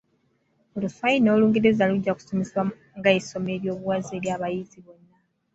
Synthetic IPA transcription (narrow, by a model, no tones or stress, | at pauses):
olufajino̞ːluːŋɡiɾezaluɟːaku̥so̞meswa | ŋɡaiso̞me̞ːɾjo̞ːβuwazeɾjaːβajiziβo̞nːa